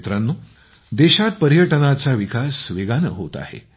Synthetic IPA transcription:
t̪ɾanːu | d̪eɕat̪̚pəɾjəʈənat͡saʋikʰasʋeɡanə̰ɦot̪a̰hḛ

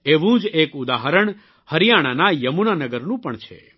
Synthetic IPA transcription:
eʋũd͡ʒekud̪aɦəɾəɳ | həɾijaɽ̃anajəmunanəɡəɾnũpəɳt͡ʃʰḛ

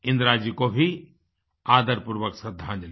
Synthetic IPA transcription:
ɪ̃nd̪ɾaːd͡ʒikobʱi | aːd̪əɾpuɾʋəksəd̪ʱːãːnd͡ʒl

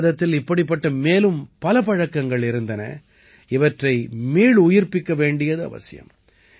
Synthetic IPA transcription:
ðɐt̪ːɪlɪpːɐɽɪp̬ːɐʈːɐmeːlɯmpɐlɐpɐɻɐkːɐŋɡɐɭɪɾɯnd̪ɐnɐ̰ | ɪʋɐʈrɐɪmiːɭʊjɪɾpɪkːɐʋeːɳɖɪjɐðɯɐ̰ʋɐ̰sɪjɐ̰m

